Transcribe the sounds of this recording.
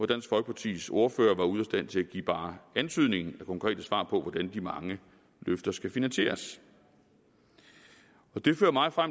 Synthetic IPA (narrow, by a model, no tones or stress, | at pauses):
ɒd̥æn̰sɡ̥fɒlɡ̥əpʰɑ̈t͡sʰḭːso̝ɐfø̰ːɐʋɑ̈uðˠɒsd̥æn̰t͡sʰe̝læɡ̥ḭːb̥ɑ̈ːænt͡sʰyð̞̰ˠne̝ŋn̩ækʰɒ̽ŋkʰʁɛ̰ːd̥əsʋɑ̰̈ːpʰɒ̽ʋɒd̥ænd̥imɑ̈ŋə | løfd̥ɐsɡ̥æfinænɕe̝̰ːɐs | ɒ̽d̥e̝fø̰ːɐmɑ̈ɪfʁam̰